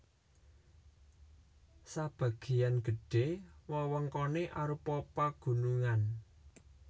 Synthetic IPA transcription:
sab̥ä̤ɡ̥e̤janɡ̥ə̤ɖ̥ewɔwɔŋkɔneʔaɾupɔpaɡ̥ṳnuŋan

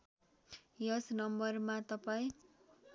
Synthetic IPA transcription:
jʌsnʌmbʌrmat̪ʌpaĩ

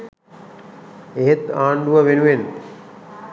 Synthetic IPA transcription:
eɦet̪aːɳɖuʋəʋenuʋen

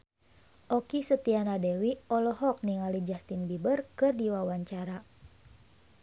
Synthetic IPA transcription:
ʔɔkisət̪ianadɛwiɔlɔɦɔk̚niŋalid͡ʒast̪inbibərkɨrdiwawaɲt͡ʃaɾa

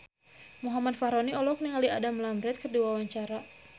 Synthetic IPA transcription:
muɦamadfaɾɔniɔlɔk̚niŋaliadamlambɾɛt̪̚kərduwawaɲt͡ʃaɾa

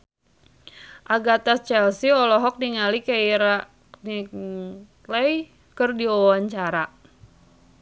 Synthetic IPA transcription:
ʔaɡat̪ast͡ʃɛlsiɔlɔɦɔk̚niŋalikaiɾa | ni | lɛj | kɨrdiɔwaɲt͡ʃaɾa

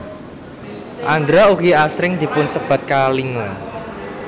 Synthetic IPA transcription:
ʔand̪ɾaukiasɾɪŋd̪̥i̤pʊnsəb̥a̤t̪̚kaliŋə

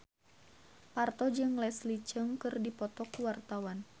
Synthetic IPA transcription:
part̪ɔd͡ʒɨŋlɛslit͡ʃəŋkɨrdipɔt̪ɔkuwart̪awan

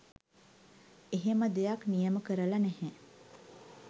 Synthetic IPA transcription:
eɦeməd̪ejaknijəməkəɾəlanɛhɛ

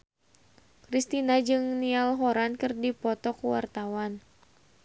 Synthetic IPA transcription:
kɾist̪inad͡ʒɨŋnialɦoɾankɨrdipɔt̪ɔkuwa̰rt̪awan

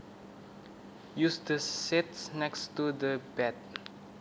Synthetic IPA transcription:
jusdəsɛtsnɛkstudəbɛt̚

